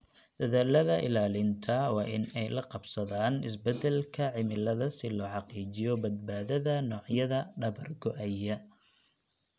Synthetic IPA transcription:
d̪̥ɐðaːlɐðɐʔɪ̰laːlɪnt̪ʰɐwɑːʔɪnɛjlɐqɑbsɐðaːnɪs̬bɛd̪ɛlkʰɐʕɪmɪlɐðɐsɪlɔːħɑqiːt͡ʃɪjɔbɐd̪̚baːðɐðɐnɔːʕjɐðɐɖɐβɐrɡɔʔɐjɐ

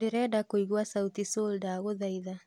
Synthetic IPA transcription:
eɾɛdakoiɣwasaut̪isoldaɣoðaiða

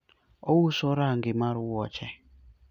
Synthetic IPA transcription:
owusɔɾaŋɡɪmaɾuwɔt͡ʃɛ

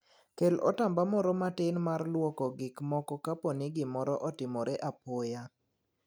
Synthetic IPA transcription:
kelɔ̰tambamɔɾɔmatɪnmarlwɔkɔɡɪkmɔkɔkapɔnɪɡɪmɔɾɔʔɔtɪmɔɾeʔapɔja

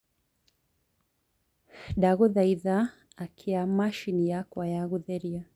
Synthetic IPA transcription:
daɣuðaiða | akʰiamaʃinijakwajaɣuðɛɾia

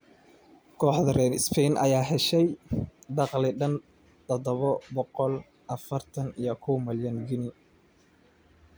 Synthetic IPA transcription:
kʰɔːħd̪ɐrɛːnɪ̰spʰɛnʔɐ̰jaːɦɛʃɛjd̪ɑqlɪɖɐn | t̪ʰɔðɔβɔbɔqɔl | ʔɐfɐrt̪ʰɐnijɔkʰɔwmɐljɐnɡɪnɪ

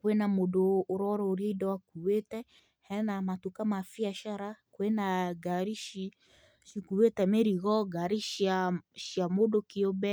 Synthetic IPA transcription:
kwenamodoːɾɔɾɔːɾieidɔwakuwetɛ | hɛnamatukamafiaʃaɾakwenaɡaɾiʃi | ʃikuwetɛmeɾiɣɔɡaɾiʃjaʃjamodokeobɛ

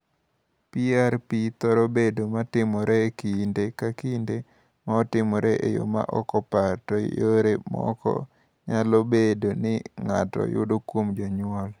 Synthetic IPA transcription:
piaɾpit̪ɔɾɔbedomatɪmɔɾekindekakinde | maɔtɪmɔɾʔeʔejo̰ma̰ʔɔkɔpatɔjoɾemɔ̰kɔ̰ | ɲalobedonɪŋatɔ̰jʊ̰dokwomd͡ʒɔɲʊɔl

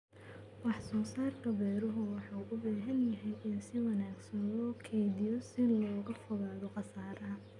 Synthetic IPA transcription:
bɑħsɔːsaːrk̪ʰɐbɛːɾɔɦʊwɑħɑwʔʊbaːɦɐnjɐɦɛjʔɪnsɪwɑnaːɡsɐnlɔːkʰɛjðɪjɔsɪlɔːɣɐfʊɣaːðɔqɑsaːɾɐɦɐ

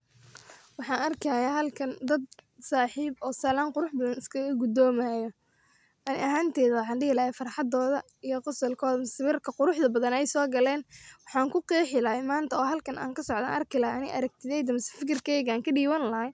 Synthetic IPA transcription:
wɑħɑːnɐrkʰɐjaɦɐlkʰɐnd̪ɐd̪̚saːħiːbɔːsɐlaːnqʊɾʊħbɐðɐnɪskʰɐɣɐɡʊd̪ɔːmaːjɔ | ʔɐnɪ̰ʔɐɦaːnt̪ʰɛːðɐwɑħɑːnɖɪhɪlɐhɛfɑrħɑd̪ɔːðɐ | ijɔqʊsɐlkʰɔːðɐmsɪβɪrkʰɐqʊɾʊħðɐbɐðɐnɛjsɔːɡɐlɛːnwɑħɑːŋkʰʊqiːħɪlɐhɛjmaːnt̪ʰɐɔːɦɐlkʰɐna̰ːŋkʰɐsɔʕd̪a̰ːnʔɐ̰rkʰɪlɐhɐʔɐnɪʔɐɾɐɡ̚t̪ʰɪðɛjd̪ɐmsɪfɪkɪrkʰɛːjɣaːŋkʰɐɖiːwɐnlɐɦɐj

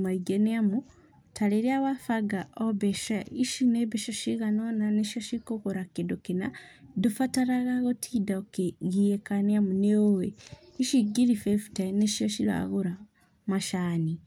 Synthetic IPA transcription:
maiɡeneamu | tʰaleɾiawafaɡaobeʃaiʃineβeʃaʃiɣanonaneʃaʃikokoɾakidokina̰dufataɾaɣaɣotʰidaokeɣiekaneamuneoweiʃiɡiɾifeftaneʃiaʃila̰ɣuɾa | maʃaːni

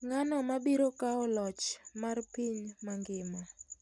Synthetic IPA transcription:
ŋanɔmabiɾokaɔlɔt͡ʃmarpiɲmaŋɡɪma

